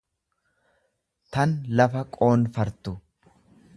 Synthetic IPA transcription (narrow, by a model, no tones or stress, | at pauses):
t̪ɐnlɐfɐkʼo̞ːnfɐɾt̪ʊ